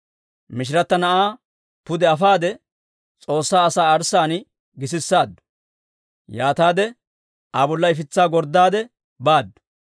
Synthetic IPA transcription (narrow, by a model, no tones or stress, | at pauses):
mɪʃ̬ɪɾɐt̪ːɐnɐʔaː | pʊd̪ɛɐfaːd̪ɛ | t͡sʼo̞ːsːaːɐsaːɐɾsaːnɪ | ɡɪs̬ɪsːaːd̪ːʊ̥ | jaːt̪aːd̪ɛ | ʔabɔlːɐɪfɪt͡sːaːɡɔɾd̪ːaːd̪ɛ | baːd̪ːʊ̥